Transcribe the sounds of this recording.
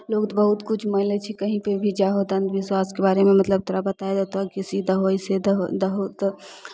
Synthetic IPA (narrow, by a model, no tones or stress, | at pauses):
lokt̪bəɦut̪kut͡ʃʰməɦlet͡ʃʰikəɦĩpebʱid͡ʒaɦod̪ənd̪ʋiswaskebaɾememət̪ləb̚t̪oɾabət̪aed̪ət̪akisid̪ʱəɦojsed̪ɦd̪əɦut̪